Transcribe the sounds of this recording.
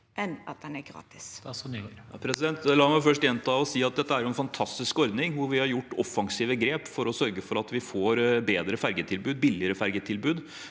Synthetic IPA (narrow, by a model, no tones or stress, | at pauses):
ʔɛnɑ̰t̪̚d̪ɛnæɡɾɑ̰ːt̪ɪ̥s | pʰɾɛsɪd̪ɛnt̪lɑːmɛʊfœʂʈjɛnt̪ʰɑːɔsiːɑt̪̚d̪ɛt̪ːəæɾjʊɛnfɑnt̪ʰɑst̪ɪskɔɾd̪nɪŋʋʊɾʋɪhɑɾjʊʈːɔfɑŋsiːʋəɡɾeːpfɔɾɔsœɾɡəfɔɾɑt̪ʋɪfoːɾbeːd̪ɾəfæɾɡət̪ʰɪlbʉːd̪̚bɪlɪəɾəfæɾɡət̪ʰɪlbʉːd̪